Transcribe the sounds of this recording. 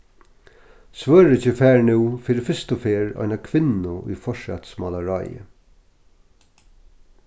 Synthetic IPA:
sʋœːɹɪt͡ɕɪfæːɹnuwfiːɾɪfɪst̪ʊfeːɹɔ̰jnakʰʋɪnʊʊ̰jfɔʂa̰t̪smalaɹa̰jə̰

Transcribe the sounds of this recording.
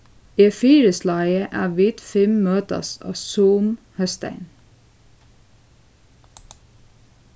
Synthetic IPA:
iːfiːɾəslɑɪəʔæ̰ːʋiːt̪fɪmmøːt̪ɑ̰sɑ̰ːsuːm | hœst̪æ̰ɪn

